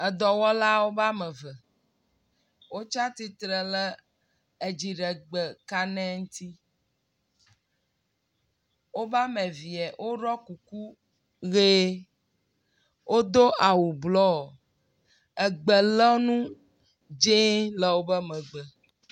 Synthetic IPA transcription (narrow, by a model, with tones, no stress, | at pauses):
ɛ˨d̪ɔ˨wɔ˦la˦wo˦ba˦mɛ̃˨və˨ | wo˦t͡ʃa˦t̪i˦t̪ɾə˨lə˦ | e˨d͡ʒi˨ɖə˨ɡ͡bə˨ka˦nɛ̃˦ŋ̩˦t̪i˦ | wo˦ba˦mɛ̃˨vi˨ɛ˨wʔo˦ɖɔ˦ku˨ku˦ | ɣe˦ | wʔo˦d̪o˦ʔa˨wu˨blɔ˦˨ | ɛ˨ɡ͡bə˨lɔ˦nũ˦ | d͡ʒe˦lə˨wo˦bə˦mɛ̃˨ɡ͡bə˨